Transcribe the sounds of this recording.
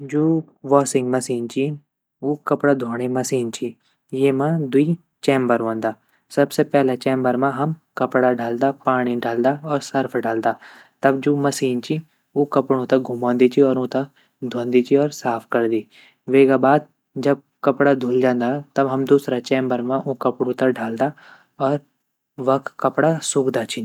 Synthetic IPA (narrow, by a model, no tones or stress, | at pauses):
d͡ʒoː | ʋɔːsɪ̃ŋɡmɐsiːnt͡ʃi | oːkɐpɽad̪ʱoːɽ̃emɐsiːnt͡ʃʰi | jeːmãd̪ʊiː | t͡ʃẽːmbəɾʋõːnd̪aː | sɐbsepɛːlat͡ʃɛ̃ːmbəɾmãɦɐmkɐpɽaɖaːld̪aːpaːɽ̃iɖaːld̪aɔːɾsɐɾpʰɖaːld̪aː | t̪ɐbd͡ʒoːmɐsiːnt͡ʃi | ukɐpɽ̃ũt̪aɡʱumãːnd̪it͡ʃʰiɔːɾũːt̪a | d̪ʱõːnd̪it͡ʃʰiɔːɾsaːpʰkɐɾd̪iː | ʋeːɡabaːd̪̚ | d͡ʒɐb̚ | kɐpɽad̪ʱuːld͡ʒãːnd̪at̪ɐbɦɐmd̪uːsɾat͡ʃɛːmbəɾmãʔukɐpɽũt̪aɖʱaːld̪a | ɔːɾ | ʋɐkkɐpɽasʊɡd̪at͡ʃʰi